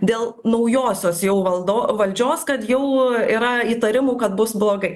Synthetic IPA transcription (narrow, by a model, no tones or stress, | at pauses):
d̪ʲeːlˠnɐʊjoːsʲoːsjɛʊʋɐlˠd̪oːʋɐlʲd͡ʒʲoːskɐt̪jɛʊiːɾɐiːt̪ɐɾʲɪmuːkɐt̪̚bʊsblˠoːɡɐɪ